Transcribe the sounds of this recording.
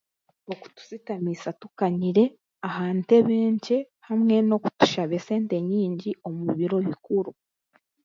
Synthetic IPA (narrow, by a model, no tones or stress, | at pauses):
oku̥tu̥sitamisatukaɲiɾe̞ | ahaːnte̞βeːɲce | hamŋe̞no̞ku̥tu̥ʃaβe̞se̞ːnte̞ɲiːɲɟio̞muβiɾo̞βikuɾu